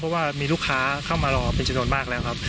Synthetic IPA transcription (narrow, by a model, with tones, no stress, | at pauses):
pʰɔ˦˥waː˥˩miː˧lu˥˩kʰaː˦˥kʰa˥˩wmaː˧lɔː˧˩pe˧nt͡ɕa˧nu˧ənmaː˥˩k̚lɛː˦˥wkʰa˦˥p̚